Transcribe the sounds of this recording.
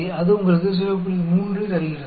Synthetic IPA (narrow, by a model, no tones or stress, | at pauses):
ɐðɯʊŋɡɐɭɯkːɯs̬ɐɾɐp̬ːɯɽmuːndrɯt̪ɐɾɯɣɪrɐ